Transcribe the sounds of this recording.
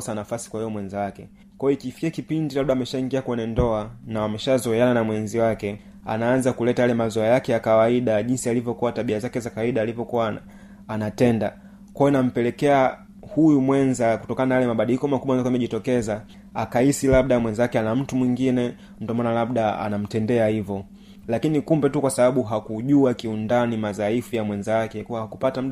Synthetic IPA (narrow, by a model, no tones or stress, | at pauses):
sanafasi̥kwahɛjɔmwɛnzawakɛ | kwɔjɔikifi̥kiakipindilab̚ɗaːmɛʃaiŋɡiakwɛɲɛndɔanawamɛʃazɔɛananamwɛnziwakɛ | a̰naanzakulɛtajalɛmazɔɛjakɛjakawaiɗaʄinsialivjɔkuwataɓiazakɛzakawaiɗaːlivjɔkuwaː | natɛnda | kwajɔnam̩pɛlɛkɛa | hujumwɛnzaku̥tɔkananajalɛmaɓaɗilikɔmakumwanakamɛʄitɔkɛza | akaisilab̚ɗamwɛnzakɛanam̩tumwiŋɡinɛ | ndɔmanalabɗaa̰nam̩tɛndɛahivɔ | lakinikumbɛtukwasaɓaɓuɦakuʄuakiundanimazaifujamwɛnzakɛkuwahakupatam̩